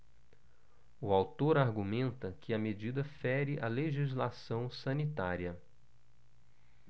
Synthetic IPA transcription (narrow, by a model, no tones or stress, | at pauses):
uawt̪oɾaɾɡumẽnt̪ɐkʰɪɐmed͡ʒid̪ɐfɛɾɪʔɐleʒizlasɐ̃w̃sɐ̃nit̪aɾiɐ